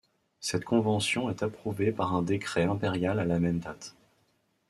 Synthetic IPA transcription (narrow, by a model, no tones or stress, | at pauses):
sɛt̪kʰɔ̃vɑ̃sjɔ̃ɛt̪apχuvepaʁɛ̃d̪ekχɛɛ̃peʁjalalamɛnd̪at̪